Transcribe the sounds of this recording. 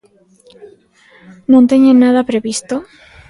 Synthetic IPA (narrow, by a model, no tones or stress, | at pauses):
nũnt̪eɲennːaðapɾeβist̪o